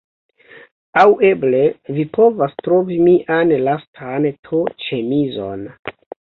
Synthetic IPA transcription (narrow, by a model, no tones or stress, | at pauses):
awe̞ble̞vipo̞vastɾo̞vimiʔanlastʰantʰot͡ʃe̞mizo̞̰n